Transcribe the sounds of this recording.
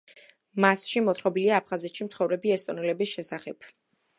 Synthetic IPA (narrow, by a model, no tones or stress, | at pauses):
masʃimɔt̪ʰχɔbiliaːpʰχazɛt̪ʃimt̪sʰχɔvɾɛbiɛst̪ʼɔnɛlɛbisʃɛsaχɛb